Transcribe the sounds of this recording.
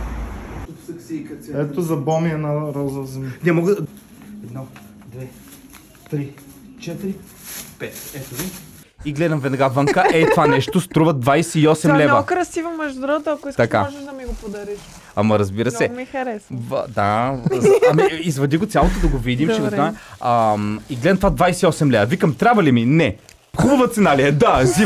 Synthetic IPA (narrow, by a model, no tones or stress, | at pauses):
ɛt̪ozɐbɔmiɐnɐɾɔzəzɛmnɛmɔɡə | ɛd̪nɔ | d̪vɛ | t̪ɾit͡ʃɛt̪ɾi | pɛt̪ɛt̪ovi | iɡlɛd̪ɐmvɛd̪ɐɡavəŋkəʔɛjt̪ovanɛʃt̪ost̪ɾuvɐd̪vajsɛiɔsɛmlɛnvɐkɾɐsivɐmɛʒd̪ʊɾɔt̪oɐkʊɛst̪ɐka̰ɔʒɐʃd̪ɐmiɡopod̪ɐɾiʃ | ɐmɐɾɐzbiɾəsɛmɛxɐɾɛsv̰d̪a | ɐmiizvɐd̪iɡoʊt̪sʲalˠot̪od̪ɐɡovid̪imt͡ʃɛvoaəmiɡlɛd̪mt̪ovad̪vajsɛiɔsɛmlɛvɐvikəmt̪ɾʲabvɐliminɛ | xubəvɐt̪sɛnalijɐd̪azi